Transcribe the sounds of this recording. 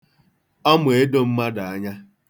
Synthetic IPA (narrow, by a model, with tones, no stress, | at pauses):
ɔ˦mʊ˨e˦do˦m̩˦ma˦da˨a˦ɲa˦